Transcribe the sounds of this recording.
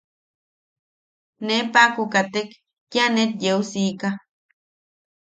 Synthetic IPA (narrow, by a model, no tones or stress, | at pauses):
nepakukat̪ekː | janet̪̚jeusika